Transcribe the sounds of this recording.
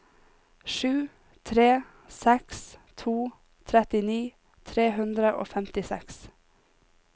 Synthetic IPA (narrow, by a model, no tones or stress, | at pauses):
ʃʉː | t̪ʰɾeː | sɛkst̪ʰuː | t̪ʰɾɛt̪ɪniː | t̪ʰɾeːhʉnd̪ɾəʔo̰ːfɛmt̪ɪsɛ̰ks